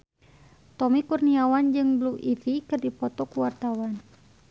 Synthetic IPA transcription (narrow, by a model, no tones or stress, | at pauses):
t̪ɔmikurniawand͡ʒɨŋbluʔitikɨrdipɔt̪ɔkuwart̪awan